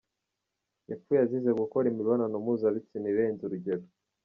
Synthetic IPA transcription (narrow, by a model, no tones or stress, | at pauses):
jefujazizeɡukoɾimiɾβonanomuzaβit͡siniβenziɾuɟeɾo